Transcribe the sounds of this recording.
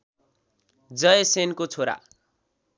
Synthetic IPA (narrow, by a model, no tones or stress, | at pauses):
d͡zʌjesenkot͡sʰoɾa̰